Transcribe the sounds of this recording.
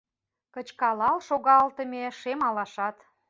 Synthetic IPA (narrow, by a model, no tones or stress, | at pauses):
kət͡ɕkɑlɑlʃoɣɑlt̪əmeʃemɑlɑʃɑt̪